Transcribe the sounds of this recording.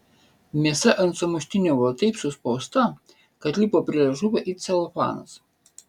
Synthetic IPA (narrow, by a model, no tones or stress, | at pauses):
mʲiɛsɛʔɐnt̪sɔmʊʃʲt̪ʲɪnʲoːʋɔt̪ʲɐɪpsʲʊspɔʊst̪ɐ | kɐt̪ʲlʲipoːpʲɾʲiɛʒʊbɐʔit̪sʲɛlˠɔfɑ̰ːnɐs